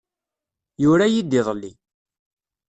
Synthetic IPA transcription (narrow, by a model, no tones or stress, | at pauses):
jʊɾæjid̪ːiðˤlːi